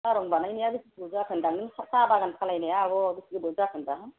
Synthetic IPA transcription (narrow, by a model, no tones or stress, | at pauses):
aɾɔŋbanajnijaɡɯsikbɯzakʰɯndaŋɯnsasabaɡankʰalajnajaːɡɔbɯsiɡɯbɯzakʰɯndaɦɯ